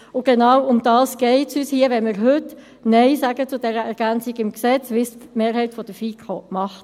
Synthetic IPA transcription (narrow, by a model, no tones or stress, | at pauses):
ʊɡ̥enɑwʊmd̥ɑːsɡ̥ɛɪtsyːshiəʋɛnmɪːʁɦʏt | nɛɪsæɡət͡sʊdɛʁəɛʁɡ̥ænt͡siɡɪmksɛt͡sʋɪstmeːɾɦɛɪtfɔd̥əfiːkʰomɑχt